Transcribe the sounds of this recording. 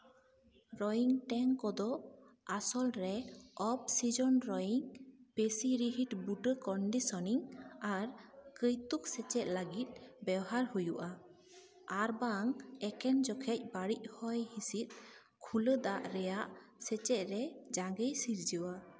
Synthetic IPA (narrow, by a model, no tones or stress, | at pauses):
ɾɔjiŋʈɛŋkɔd̪ɔʔasɔlɾɛɔp̚sid͡ʒɔnɾɔjiŋpesiɾiɦiʈbuʈəkɔɳɖisɔniŋaɾkəjt̪uk̚sɛt͡ʃɛʔ̚laɡit̪̚ˀbɛwɦaɾhujuʔa | aɾbaŋɛkɛnd͡ʒɔkʰɛc̚baɽic̚hɔjhisit̪̚ | kʰuləd̪aʔɾɛjaʔsɛt͡ʃɛʔ̚ɾɛd͡ʒaɡəjsiɾd͡ʒiwa